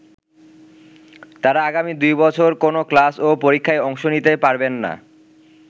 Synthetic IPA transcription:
t̪aɾaaɡamid̪ujbɔt͡ɕʰoɾkonoklasopoɾikʰːaeɔŋʃonit̪epaɾbenːa̰

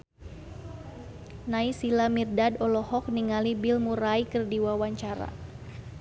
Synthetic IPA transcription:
naisilamirdadɔlɔhɔk̚niŋalibilmuɾaikərdiwawaɲt͡ʃaɾa̰

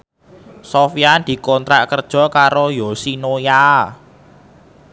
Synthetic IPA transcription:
sofijand̪̥i̤kɔnt̪ɾaʔkərd̥ʒ̥ɔ̤kaɾojosinoja

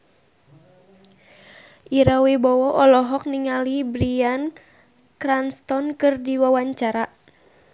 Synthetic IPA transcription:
ʔiɾawebɔwɔʔɔlɔɦɔk̚niŋalibɾian | kɾanst̪ɔnkɨrdiwawaɲt͡ʃaɾa

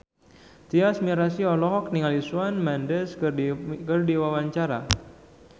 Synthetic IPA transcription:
t̪iasmiɾasiɔlɔɦɔk̚niŋalisuanmandəskkərdiwawaɲt͡ʃaɾa

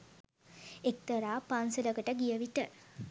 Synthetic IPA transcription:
ek̚t̪əɾaːpansələkəʈəɡijəʋiʈə

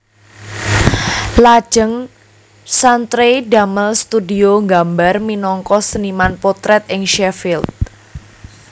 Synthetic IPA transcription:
lḁʒ̥əŋ | sant̪ɾedaməlst̪udioŋɡambarminɔŋkɔsənimanpot̪ɾɛt̪ɪŋʃɛfilt̪̚

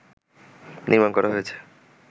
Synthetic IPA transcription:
nʔiɾmankɔɾaɦojet͡ɕʰe̥

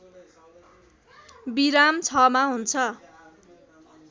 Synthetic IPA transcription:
biɾamt͡sʰʌmaɦunt͡sʰʌ

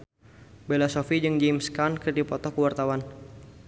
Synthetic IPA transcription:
belasɔfid͡ʒɨŋd͡ʒimskankərdipɔt̪ɔkəwart̪awan

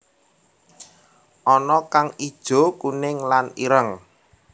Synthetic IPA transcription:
ʔɔnɔkaŋid̥ʒ̥o̤kunɪŋlaniɾəŋ

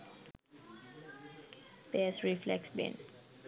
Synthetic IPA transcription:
bɛsɹiflɛ̰ksbɛ̰̃n

